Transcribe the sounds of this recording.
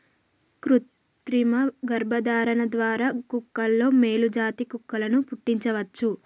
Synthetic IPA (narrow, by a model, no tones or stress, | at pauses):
kɾut̪ | ɾimɐɡɐɾbʱɐd̪aːɾɐnɐd̪ʋaːɾaːkukːɐlːo̞ːme̞ːlud͡ʒaːt̪ikukːɐlɐnupuʈːiɲt͡ʃɐʋɐt͡ʃːu